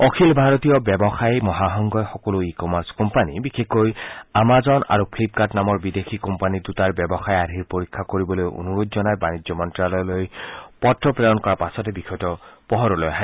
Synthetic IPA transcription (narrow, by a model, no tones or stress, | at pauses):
ɔkʰilbʱaɹɔtijɔbjɛbɔxajmɔɦaɦɔŋɡɔjxɔkɔloikɔmaɹskɔmpanibixʰekːojamazɔna̰ɹupʰlip̚katnamɔɹbidekʰikɔmpanidutaɹbɛbɔxajadʱiɹpoɹikʰːakoɹibɔlojo̰nuɹudzɔnajbanizjɔmɔntɹalɔlojpɔtːɔpɹeɔnkɔɹapasɔtɛbixʰɔjtɔpɔɦɔɾɔlojɦã